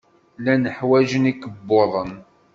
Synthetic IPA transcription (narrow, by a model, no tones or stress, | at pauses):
lænəħwæʒənikəbːoðˤən